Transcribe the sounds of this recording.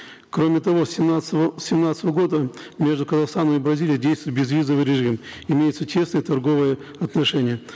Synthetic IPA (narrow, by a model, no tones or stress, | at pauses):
kɾomʲɪt̪ɐvo̞sʲsʲɪmnat̪sət̪əvəɡo̞d̪ə | mʲe̞ʐd̪ʊkəzɐxst̪anəmɪbɾɐzʲilʲɪjədʲejst̪vʊjt̪̚bʲɪzvʲizəvɨjɾʲɪʐɨmɪmʲejɪt̪sətʲʰe̞snəjət̪ɐrɡo̞vɨjə | ɐt̪nɐʂɛnʲɪjə